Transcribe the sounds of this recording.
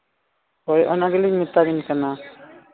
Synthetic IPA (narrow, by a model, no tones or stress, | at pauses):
ɔjʔɔnaɡɛliɲmit̪aɡinkana